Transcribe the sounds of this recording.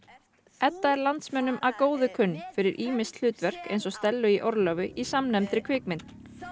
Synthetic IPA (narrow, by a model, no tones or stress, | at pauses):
ɛt̪ːaɛɾlant̪smɛnːʏmʔaðkoːwðʏkʰʏnːfɪɾɪɾʔiːmɪst̪l̥ʏːt̪vɛr̥kḛjnsɔst̪ɛlːʏiʔɔɾlœvʏisamnɛmt̪ɾɪkʰvɪːkmɪnt̪n